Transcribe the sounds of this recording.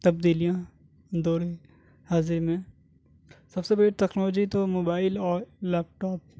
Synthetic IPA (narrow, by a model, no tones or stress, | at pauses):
t̪ɐb̚d̪iːlijã | d̪oːɾe | hazemẽ | sɐbsebɐɽeʈ̪ɛknɔːloːd͡ʒit̪omoːbaːɪlɔːɾlɛːp̚ʈɔːp̚